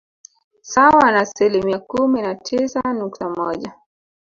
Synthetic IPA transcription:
sawanaːsilimiakuminatʰisanuktamɔʄa

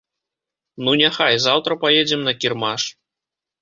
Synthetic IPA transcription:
nunʲaxajzawt̪ɾɐpajed͡zʲɛmnɐkʲirmaʂ

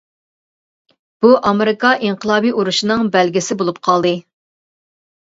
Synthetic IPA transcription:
b̥uʔɑmeɾɪkʰɑʔiɴqʰəlˠɑːbiʔuɾuʃinɨŋbɛlɡʲɪsɪbolˠup̚qʰɑlˠd̪ɨ

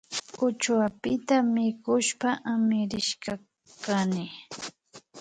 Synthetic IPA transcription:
ʊt͡ʃwapɪt̪amɪkʊʃpaʔamɪɾɪʃka | kanɪ

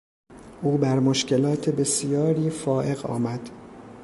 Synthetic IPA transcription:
ʔuːbæɾmoʃcʰe̞lɒːt̪ʰebe̞sijɒːɾiːfɒːʔe̞ɣɒ̰ːmæd̪̥

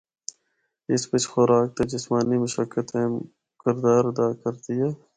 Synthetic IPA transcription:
ɪsbɪt͡ʃxʊɾaːk̚t̪ad͡ʒɪsmaːnimʊʃəkːət̪ẽː | kɪɾd̪aːɾɐd̪aːkɐɾd̪ijaː

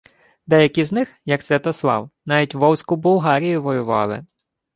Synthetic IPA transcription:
d̪ɛjɐkiznɪxjɐksʲʋʲɐt̪ɔslˠɑ̰wnɑʋʲitʲʋɔwsʲkʊbʊlˠɦɑɾʲijʊʋɔjʊʋɑ̰lˠɪ̰

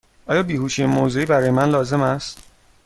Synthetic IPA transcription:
ʔɒːjɒːbiːhuːʃiemozeiːbæɾɒːjemænlɒːze̞mæst̪

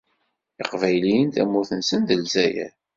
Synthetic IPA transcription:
iqvæjlijənt̪æmːʊθənsənðəlzæjæ̰

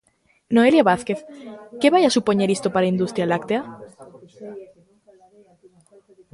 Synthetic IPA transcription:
no̞eljaβaθke̞θkeβajasupoɲeɾist̪opaɾaind̪ust̪ɾjalakt̪ea

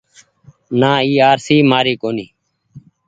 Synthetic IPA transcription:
naːiːaːɾsiːmaːɾiːkoːniː

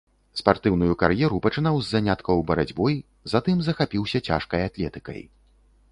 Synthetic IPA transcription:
spart̪ɨwnujukaɾjɛɾupɐt͡ʂɨnawzːanʲat̪kɐwbɐɾad͡zʲbɔj | zat̪ɨmzɐxapʲiwsʲɐt͡sʲa̰ʂkɐjat̪lʲɛt̪ɨkɐ̰j

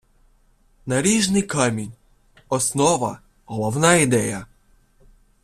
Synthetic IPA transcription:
nɐɾʲiʒnɪjkamʲinʲ | ɔsnɔʋɐ̰ | ɦɔlˠɔwnɑid̪ɛjɐ

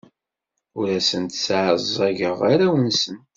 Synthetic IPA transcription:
ʊɾæsənt̪sʕəzæʝəʁaɾæwənsən

